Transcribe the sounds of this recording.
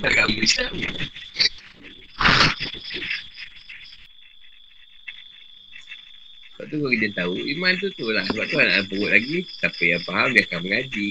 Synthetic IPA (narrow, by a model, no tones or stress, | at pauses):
akaisa | ka̰ʔt̪ukɔkidət̪auimant̪̬ut̪ulahsəbap̚t̪uana̰ʔpəɣʊʔ̪lʔaɡisapəjaŋpaɦamdiakaməŋad͡ʒi